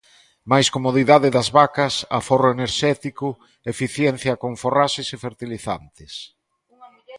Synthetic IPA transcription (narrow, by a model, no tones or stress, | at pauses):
majskomoðiðaðɪðɐzβakɐsa̰foroeneɾʃɛt̪ikʊ | efiθjɛn̟θjɐkoɱforaʃɪsefeɾt̪iliθa̰nt̪ɪs